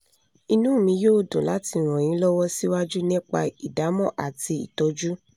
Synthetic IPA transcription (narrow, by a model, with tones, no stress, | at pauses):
i˧nũː˦˨mĩ˧joː˦˨dõ˨la˨˦ti˧˨ɾ̃ɔ̃˨j̃ĩ˨˦lɔ˦wɔ˦si˦wa˦d͡ʒu˦nĩ˦k͡pa˧i˨da˨˦mɔ̃˦˨ʔa̰˨ti˧ḭ˨tɔ˨˧d͡ʒu˦